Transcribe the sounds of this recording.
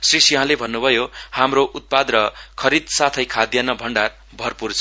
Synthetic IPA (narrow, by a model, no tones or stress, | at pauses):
srisiɦãlebʱʌnːubʱʌjohamroʔut̪̚pad̪rʌkʰʌɾid̪sat̪ʰʌjkʰad̪janʌbʱʌɳɖar | bʱʌrpurt͡sʰʌ